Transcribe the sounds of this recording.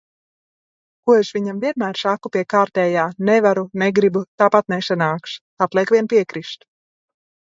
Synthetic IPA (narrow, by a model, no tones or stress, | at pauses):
kuɔeʃʋiɲamviɛnmæːɾsakupiɛkaːɾt̪ɛːjaːnɛvaɾuneɡɾibut̪aːpat̪̚nɛʃanaːkʃ | at̪lˠɛːkʋʲiɛnpiɛkɾiʃt̪